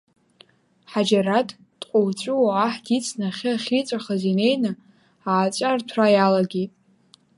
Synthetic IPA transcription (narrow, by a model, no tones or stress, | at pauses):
ħad͡ʒaratʼ | d̥ʼqʷʼowt͡ɕʷʼʊwaaħdʰit͡sʰnaχʲɪaχʲit͡sʷʼaχazine̞jnɨ | aːt͡sʷʼartʷʰrajalaɡʲetʼ